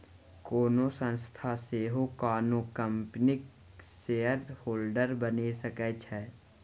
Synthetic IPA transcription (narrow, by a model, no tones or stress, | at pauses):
koːnosə̃nst̪ʰaseːɦokaːnokəmpnɪk | seːəɾhoːlɖəɾbənesəkɛt͡ʃʰɛː